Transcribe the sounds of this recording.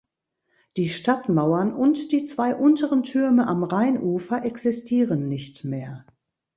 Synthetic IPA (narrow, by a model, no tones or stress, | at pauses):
d̥iːʃtatmaʊɐnʔʊntd̥iːt͡sv̥aɪʔʊntəʁəntʰʏɐməʔamʁaɪnʔuːfɐʔɛksɪstʰiːʁənːɪçtmeːɐ